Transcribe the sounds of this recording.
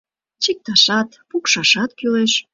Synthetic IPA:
t͡ɕek̚t̪ɑʃɑt̪pukʃɑʃɑt̪̚kyleʃ

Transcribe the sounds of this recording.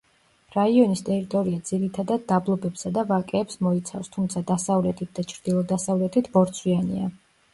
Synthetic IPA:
ɾaiɔnist̪ʼɛɾit̪ʼɔɾiad̪z̥iɾit̪ʰad̪ad̪̚d̪ablˠɔbɛpsad̪avakʼɛːpsmɔit̪sʰafst̪ʰumt̪sʰad̪asavlɛt̪ʰit̪̚d̪at͡ʃʰɾd̪ilˠɔd̪asavlɛt̪ʰit̪ʰbɔɾt̪sʰwianḭa

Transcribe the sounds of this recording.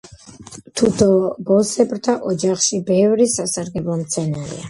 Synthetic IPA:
t̪ʰut̪ʰɔbɔsɛbɾt̪ʰaʔɔd͡ʒaχʃibɛvɾisasaɾɡɛblˠɔmt̪sʰɛnaɾḭa

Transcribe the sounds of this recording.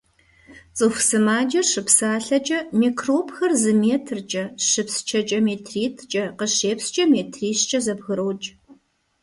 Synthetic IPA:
t͡sʼɨxsɨmaːd͡ʒɐʂɨpsaːɬɐt͡ʃʼɐmikroːpxɐrzɨmeːtʰrt͡ʃʼɐʂɨpst͡ʃʰɐt͡ʃʼɐmeːtʰriːtʰt͡ʃʼɐqəʃeːpst͡ʃʼɐmeːtʰriːɕt͡ʃʼɐzɐbɣɨɾowt͡ʃʼ

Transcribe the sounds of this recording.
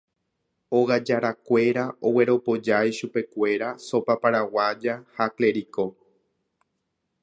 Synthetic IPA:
o̞ɣad͡ʒaɾakʷe̞ɾao̞we̞ɾo̞po̞d͡ʒajʃupe̞kʷe̞ɾaso̞papaɾawad͡ʒahakle̞ɾiko

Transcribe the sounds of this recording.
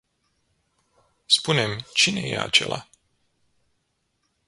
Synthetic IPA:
spune̞mt͡ʃine̞je̞a̰t͡ʃe̞la

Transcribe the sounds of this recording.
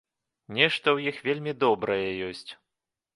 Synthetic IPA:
nʲɛʂt̪ɐwjixvʲelʲmʲid̪ɔbɾɐjɛjɔsʲt͡sʲ

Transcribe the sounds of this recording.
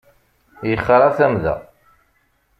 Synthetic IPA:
jəχːɑɾˤɑθæmðæ̰

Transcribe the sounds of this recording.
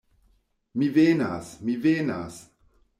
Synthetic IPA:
mivena̰smivena̰s

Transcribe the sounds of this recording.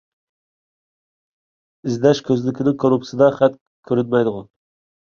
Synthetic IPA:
ɪzd̪ɛʃkʲʰøzlɪkʲʰɪnɪkʰoɾupsid̪ɑχæt̪ | kʲʰːøɾyt̪̚mɛjd̪ʊʁʊ

